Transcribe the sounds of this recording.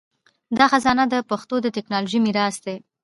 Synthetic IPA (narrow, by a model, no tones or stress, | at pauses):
d̪ɑxazɑnad̪əpaxt̪od̪ət̪ɪknɑloʒimiɾɑsd̪e